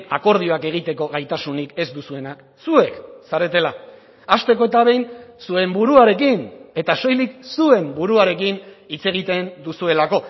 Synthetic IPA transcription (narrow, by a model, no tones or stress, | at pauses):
a̰ko̞ɾð̞io̞ake̞ɣ̞it̪e̞ko̞ɣajt̪asunike̞zd̪usue̞nak | sue̞ksaɾe̞t̪e̞la | ast̪e̞ko̞et̪aβ̞e̞jnsue̞mbuɾuaɾe̞kine̞t̪aso̞jliksue̞mbuɾuaɾe̞kinit͡se̞ɣ̞it̪e̞nd̪usue̞lako̞